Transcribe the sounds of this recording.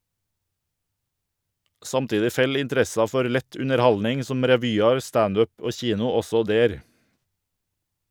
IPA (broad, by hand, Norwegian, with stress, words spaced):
ˈsɑmˌtiːdɪ ˈfɛl ɪnˈtɾɛsɑ ˈfɔɾ ˈlɛt ʉnəɾˈhɑlnɪŋ ˈsɔm ɾɛˈʋyːɑɾ ˈstɑnd ˈœp ˈoː ˈçiːnʊ ˈɔsɔ ˈdeːɾ